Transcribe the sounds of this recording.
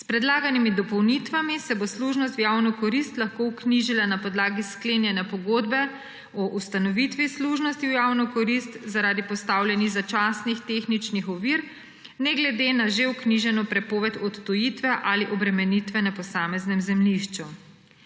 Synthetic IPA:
spɾɛd̪laːɡanimid̪ɔpɔwnit̪ʋamisɛbosluʒnɔst̪jawnɔkɔɾist̪laxkoukniʒilanapɔd̪laːɡisklenjɛnjapɔɡoːd̪bɛ | ɔʔust̪anɔʋit̪ʋisluʒnɔst̪iwjaːwnɔkɔɾist̪zaɾaːd̪ipɔst̪aːwljɛniɣzat͡ʃaːsnixt̪exnit͡ʃnixɔʋiːɾ | nɛɡlɛd̪enaʒeukniʒɛnɔpɾɛpoːʋɛt̪ɔt̪t̪ɔjit̪ʋɛʔaliʔɔbɾɛmɛnit̪ʋɛnɛpɔsaːmɛznɛmzɛmliʃt͡ʃu

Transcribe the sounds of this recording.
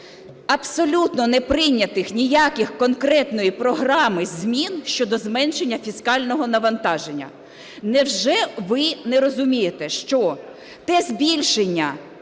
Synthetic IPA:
ɐpsɔlʲut̪nɔnɛpɾɪnʲːɐt̪ɪxnʲijakʲɪxkɔnkɾɛt̪nɔjipɾɔɦɾɑmɪzʲmʲinʃt͡ʃɔd̪ɔzmɛnʃenʲːɐfʲiskɑlʲnɔɦɔnɐʋɐnt̪ɑʒenʲːɐ̰ | nɛwʒɛʋɪnɛɾɔzʊmʲijet̪ɛʃt͡ʃɔ | t̪ɛzbʲilʲʃenʲːɐ

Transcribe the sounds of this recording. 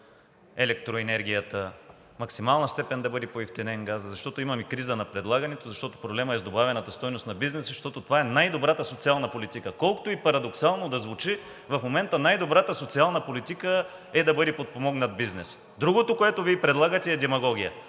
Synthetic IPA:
ɛlɛk̚t̪ɾoɛnɛɾɡʲijət̪ə | mɐksimalˠnəst̪ɛpɛnd̪ɐbɤd̪ɛpoift̪inɛnɡazzɐʃt̪ɔt̪oimɐmikɾizənɐpɾɛd̪lˠaɡɐnɛt̪ozɐʃt̪ɔt̪o̥pɾoblɛməɛzd̪obavɛnɐt̪ɐst̪ɔjnost̪nɐbiznɛsəʃt̪ɔt̪ot̪ovaɛnajd̪obɾat̪əsot̪sialˠnəpolit̪ikəkɔlˠko̥t̪oipɐɾɐd̪oksalˠnod̪ɐzvut͡ʃi | vɐfmomɛnt̪ənajd̪obɾat̪əsot̪sialˠnəpolit̪ikə | ɛd̪ɐbɤd̪ɛpot̪̚pomɔɡnɐd̪̚biznɛs | d̪ɾuɡot̪okoɛt̪oviɛpɾɛd̪lˠaɡət̪ɛːd̪ɛmɐɡɔɡ̟ʲijə

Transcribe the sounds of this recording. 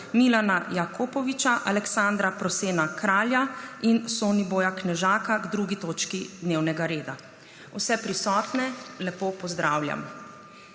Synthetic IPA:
milanajakʰopɔʋit͡ʃaʔalɛksãnd̪ɾapɾɔseːnakɾaːljainsoːniboːjaknɛʒaːkaɡd̪ɾuɡit̪oːt͡ʃkid̪neːwnɛɡaɾeːd̪a | ṵsɛpɾisɔːt̪nɛlɛpoːpɔzd̪ɾaːwlʲja̰m

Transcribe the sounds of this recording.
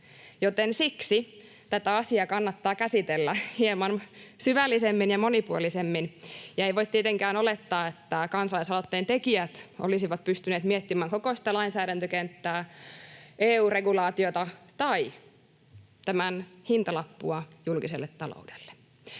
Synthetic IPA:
jot̪ensiksi | t̪æt̪æɑsiɑkɑnːɑt̪ːɑːkæsit̪elːæhiemɑnsyʋælːisemːinjɑmonipuo̰lisemːinjɑeijʋoit̪t̪iet̪eŋkæːnolet̪ːɑːet̪ːækɑnsɑlɑisɑlot̪ːeːnt̪ekiæt̪ʔo̰lisiʋɑt̪̚pyst̪yneːt̪miet̪ːimæːŋkokosi̥t̪ælɑinsæːɾænt̪økent̪ːæː | ʔeːuːreɡulɑːt̪iot̪ɑt̪ɑi | t̪æmænhint̪ɑlɑpːuɑjulkiselːet̪ːɑlo̰udelːe̥

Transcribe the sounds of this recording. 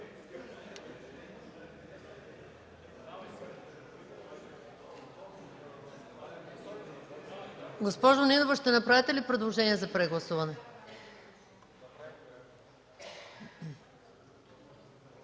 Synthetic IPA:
ɡospɔʒoninovəʃt̪ɛnɐpɾavit̪ɛlipɾɛd̪lˠoʒɛniɛzɐpɾɛɡlˠɐsuvɐnɛ

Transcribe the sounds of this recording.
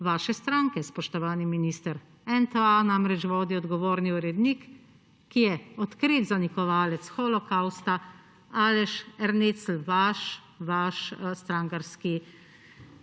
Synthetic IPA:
ʋaːʃɛst̪ɾaːŋkɛspɔʃt̪ɔʋaːniminiːst̪əɾ | ɛnt̪əanamɾɛt͡ʃʋoːd̪iɔd̪ɡɔʋoːɾniuɾɛd̪nikː | ijɛɔt̪kɾit̪zanikɔʋaːlɛt̪sxɔlɔkawst̪a | alɛʃɛɾnet̪sl̩ʋaʃ | ʋaʃst̪ɾaːŋkaɾski

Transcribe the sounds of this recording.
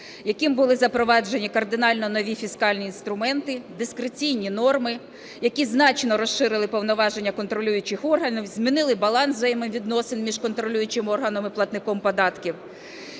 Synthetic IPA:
jɐkɪmbʊlˠɪzɐpɾɔʋɑd͡ʒe̞nʲikɐrd̪ɪnɑlʲnɔnɔʋʲifʲiskɑlʲnʲiːnst̪ɾʊmɛnt̪ɪd̪ɪskɾet͡sʲijnʲinɔrmɪ | jɐkʲiznɑt͡ʃnɔɾɔʃʃɪɾɪlˠɪpɔwnɔʋɑʒe̞nʲːɐkɔnt̪ɾɔlʲujʊt͡ʃɪxɔrɦɐnʲiwzʲmʲinɪlˠɪbɐlˠɑnszɐjɛmɪmʋʲid̪nɔsɪnmʲiʒkɔnt̪ɾɔlʲujʊt͡ʃɪmɔrɦɐnɔmɪplˠɐt̪nɪkɔmpɔd̪ɑt̪kʲiw

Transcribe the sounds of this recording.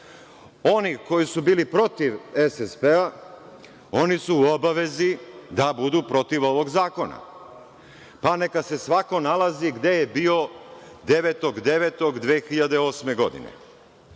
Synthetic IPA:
o̞niko̞jisubiːlipɾo̞t̪iʋesespea | o̞nisuːobaʋe̞zid̪abud̪upɾo̞t̪iʋo̞ʋo̞ɡzaːko̞na̰ | pane̞kase̞sʋako̞nalaziɡd̪e̞jebio̞ | d̪e̞ʋet̪o̞ɡd̪e̞ʋet̪o̞ɡd̪ʋeːxiʎad̪e̞o̞ːsme̞ɡo̞d̪ḭnḛ

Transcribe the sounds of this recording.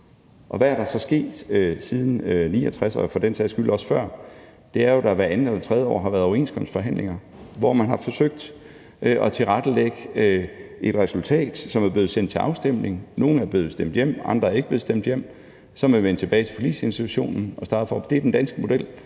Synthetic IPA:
ʔɒ̽ʋææɐɾ̥ɑ̈sɒ̽sɡ̥e̝̰ːd̥øsið̞ˠn̩nḭːɒt͡sʰʁasɐfɒd̥ensʰɛsɡ̥ylɒ̽sfɶɐ̰ | d̥e̝æɐjo̝ɾ̥ɑ̈ʋæɐænn̩elɐt͡sʰʁɛð̞ˠjəɒ̰ːɦɑ̈ʋæɐðˠɒɐe̝̰nskʰɒ̽m̰sd̥fɒ̽ɦæn̰le̝ŋɐ | ʋɒmænɦɑ̈fɒ̽søɡ̥̚d̥ | ʔʔɒ̽t͡sʰe̝lʁɑd̥əleɡ̥ə | e̝d̥ʁɛsult͡sʰɛ̰ːd̥sɒ̽mæɐb̥le̝ð̩ˠsen̰d̥t͡sʰe̝lʔɑ̈ʊsd̥em̰ne̝ŋ̩no̝ːn̩æɐb̥le̝ːð̩ˠsd̥em̰d̥jem̰ʔɑ̈nd̥ʁɐæɐe̝ɡ̥əb̥e̝ð̩ˠsd̥em̰d̥jem̰ | sɒ̽mʋeʋiʋen̰t͡sʰe̝b̥ɛːɪt͡sʰe̝fɒlḭːse̝nsd̥it͡sʰuɕo̝̰ːnn̩ɒ̽sd̥ɑ̈ːd̥əfɒ̰ːd̥e̝æɐd̥end̥ænsɡ̥əmo̝d̥el̰

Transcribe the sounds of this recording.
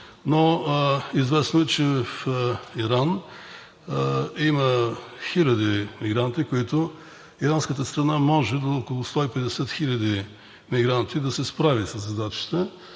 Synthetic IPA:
no | izvɛsnʊɛt͡ʃɛvɛfiɾan | iməxilʲɐd̪imiɡɾant̪ikoit̪o | iɾanskət̪əst̪ɾɐnamɔʒɛd̪oːkolˠʊst̪ɔipɛd̪ɛsɛt̪xilʲɐd̪i | miɡɾant̪id̪ɐsɛspɾavisɐzɐd̪at͡ʃi̥t̪ə

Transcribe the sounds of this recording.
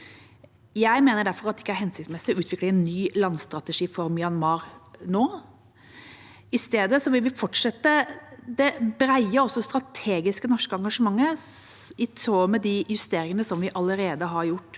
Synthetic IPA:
jæɪmeːnəɖæɾfɔɾɑt̪d̪ɛɪkːæɾɦɛnsɪtsmɛsɪɔʉːt̪ʋɪkləɛnːyːlɑnst̪ɾɑt̪əʂiːfɔɾmɪɑnmɑːɾnoː | ɪst̪eːd̪əsɔʋɪlʋɪfɔʈʂɛt̪ːəd̪ɛbɾæɪəɾɔsːɔst̪ɾɑt̪ʰeːɡɪskənɔʂkəɑŋɡɑʂəmɑŋːə | ɪsoːmɛd̪ɪjʉst̪eːɾɪŋənəsɔmʋɪʔɑləɾeːd̪əɦɑɾjʊʈː

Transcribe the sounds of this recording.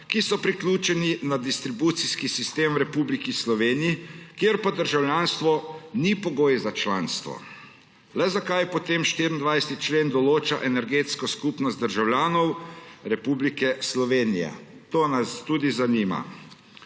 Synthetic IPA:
kisɔpɾiklʲuːt͡ʃɛninad̪ist̪ɾibut̪siskisist̪eːmwɾɛpublikislɔʋeːnijikjeɾpɔd̪əɾʒawljaːnst̪ʋɔnipɔɡoːjzat͡ʃla̰ːnst̪ʋɔ̰ | lɛzakajpɔt̪emʃt̪iɾind̪ʋajsɛ̥t̪it͡ʃleːnd̪ɔloːt͡ʃaʔɛnɛɾɡet̪skɔskupnɔst̪d̪əɾʒawlʲjaːnɔwɾɛpublikɛslɔʋeːnijɛ̰t̪oːnast̪ud̪izaniːma̰

